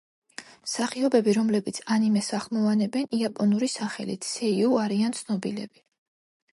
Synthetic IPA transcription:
saχiɔbɛbiɾɔmlɛbit̪sʰanimɛsaχlˠmɔvanɛbɛniapʼɔnuɾisaχɛ̰lḭt̪ʰsɛiuaɾiant̪sʰnɔbilɛ̰bi

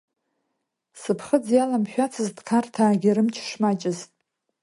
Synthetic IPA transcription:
sɨpʰχəd͡zjalamʃᶣat͡sʰɨzdkʰartʰaːɡʲiɾɨmt͡ʃʰʂmat͡ʃʼɪztʼ

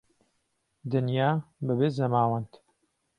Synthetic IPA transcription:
d̪ɨnjaːbɐbezɐmaːwɐnt̪

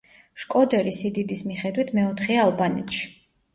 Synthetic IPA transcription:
ʃkʼɔd̪ɛɾisid̪id̪ismiχɛd̪wit̪ʰmɛɔt̪ʰχɛalˠbanɛt̪ʃi̥

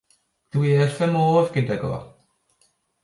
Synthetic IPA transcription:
d̥wiːrfəmoːvɡ̥ɪdɛɡɔ̰

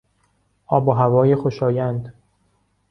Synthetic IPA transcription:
ʔɒːboɦævɒːjexoʃɒːjænd̪

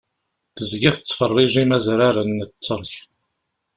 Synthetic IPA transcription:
θəzɡæθət͡sːfərˤːɪʒimæzɾaɾənːət͡sːəɾˤç

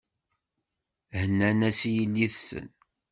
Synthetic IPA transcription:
hənːænæsjilːiθsə̰n

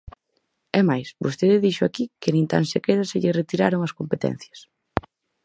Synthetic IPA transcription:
ɛmajsbost̪eðɪðiʃʊakikɪnĩnt̪a̰nsekeðɐseʎɪret̪iɾaɾoŋɐskompet̪ɛ̰n̟θjɐs

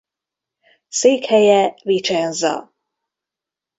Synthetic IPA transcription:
seːkhɛjɛvit͡ʃanzɒ̰

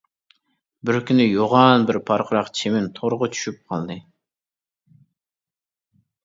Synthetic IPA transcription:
bɪɾkʲynɪjoʁɑnbɪɾpʰɑɾqʰəɾɑqt͡ʃʰemɪnt̪ʰoɾʁʊt͡ʃʰy̥ʃyp̚qʰɑ̰lˠd̪ɨ

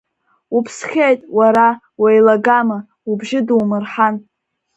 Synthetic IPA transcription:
upʰsχʲejtʼwaɾa | wajlaɡama | ubʒɪduwmɨrħan

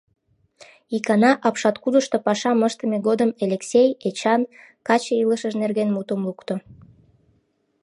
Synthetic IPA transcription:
ikɑnɑʔɑpʃɑt̪kud̪əʃt̪opɑʃɑməʃt̪əmeɣod̪əmelʲeksʲejet͡ɕɑn | kɑt͡ɕeiləʃəʒnerɣenmut̪əmlukt̪o

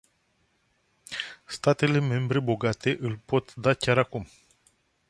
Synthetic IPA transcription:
st̪at̪e̞le̞me̞mbɾe̞bo̞ɡat̪e̞ʔɨlʲpo̞t̪d̪akʲaɾakum

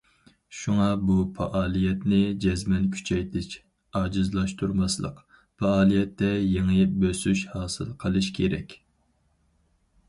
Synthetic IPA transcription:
ʃuŋɑbupʰɑʔɑːlˠijɛt̪nɪd͡ʒɛzmɛnkʲʰy̥t͡ʃʰɛjt̪ʰɪʃ | ɑːd͡ʒɨzlˠɑʃt̪ʰuɾmɑslˠə̰q | pɑɑːlˠijɛt̪ːɛjeŋɨjɪp̚bøsyʃhɑːsɨ̰lˠqʰəlˠɨʃkʲʰeɾɛkʲ

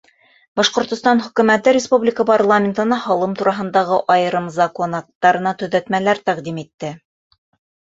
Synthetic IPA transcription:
bɑʃqŏɾt̪ŏst̪ɑnhɵ̆kɵ̆mæt̪ɘɾʲɪspublʲɪkəparlˠamʲɪnt̪ɤ̆nɑhɑlˠɤmt̪uɾɑɦɤ̆nd̪ɑʁɤʔɑjɤɾɤmzɑkonɑk̚t̪ːɑɾɤ̆nɑt̪ɵ̆ðæt̪mælæɾt̪æqd̪imit̪ːɘ

